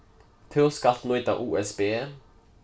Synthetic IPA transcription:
t̪ʰøːʁskɑlt̪nɔʏt̪ɑ̰ʔuːɛsbeː

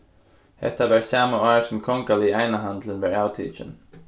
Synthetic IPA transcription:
hɛ̰t̪ːaʋæɹsaːmaɑɹsɔmkʰɔŋkaliaɪnaɦand̪lənʋɛːɹaʊt̪ʰḭːt͡ʃə̰n

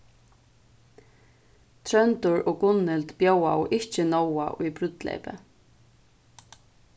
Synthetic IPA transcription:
t̪ʰɾœnt̪ʊɹɔkʊnːɪlt̪bjowawʔɪht͡ʃɪnɔwa̰ʔujpɾʏt̪lḛːpɪ̰

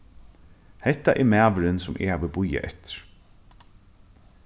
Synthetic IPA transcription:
hɛt̪ːaʔɛɾmæːʋɪɾɪnsʊmʔɪ̰haʋəbʊjːa̰ʔɛht̪ɪ̥ɾ̥

